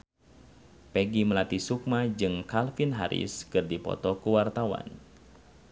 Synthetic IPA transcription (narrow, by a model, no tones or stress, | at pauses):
pɛɡiməlat̪isuk̚mad͡ʒɨŋkalfɪnɦaɾɪ̰skɨrdipɔ̰t̪ɔkuwart̪awa̰n